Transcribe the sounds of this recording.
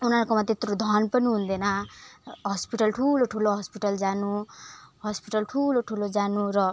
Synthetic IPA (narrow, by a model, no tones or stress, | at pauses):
unaɾkomat̪et̪ɾod̪ʱʌnpʌniɦũnd̪enʌ | ɦʌspiʈʌlʈʰuloʈʰuloɦʌspiʈʌld͡zanuɦʌspiʈʌlʈʰuloʈʰulod͡zanurʌ